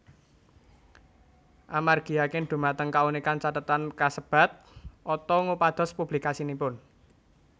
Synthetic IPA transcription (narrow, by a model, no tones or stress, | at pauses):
ʔamarɡ̥i̤akɪnd̪̥ṳmat̪əŋkaunikant͡ʃat̪ət̪ankasəb̥a̤t̪̚ʔɔt̪ɔŋupad̪̥ɔ̤spub̥likasinipʊn